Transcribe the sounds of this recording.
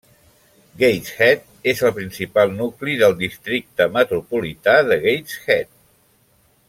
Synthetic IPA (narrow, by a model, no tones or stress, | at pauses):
ɡejsxɛt̪̚ | ezəlˠpɾinsipalˠnukliðəlˠd̪ist̪ɾik̚t̪əmət̪ɾupulit̪aðəɣejsxɛt̪̚